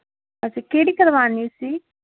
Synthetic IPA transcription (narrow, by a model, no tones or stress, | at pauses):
ɐsikeːɽikɐɾʋaːnisi